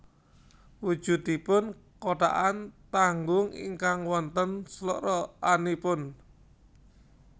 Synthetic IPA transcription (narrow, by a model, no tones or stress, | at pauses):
wud̥ʒ̥ṳd̪ipʊn | koʈa̰ʔant̪aŋɡʊŋḭŋkaŋwɔnt̪ənslɔʔɾɔʔanipʊn